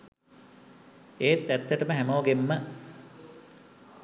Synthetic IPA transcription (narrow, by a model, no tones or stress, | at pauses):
eːt̪ːæt̪ːəʈəməɦæmoːɡemːə